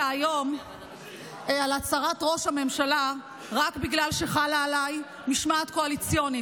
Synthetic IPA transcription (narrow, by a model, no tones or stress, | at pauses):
ajo̞m | alat͡saʁatʁo̞ʃhame̞mʃala | ʁakbiɡlalʃe̞χalaːlaj | miʃmaːt̪koalit͡sjo̞ni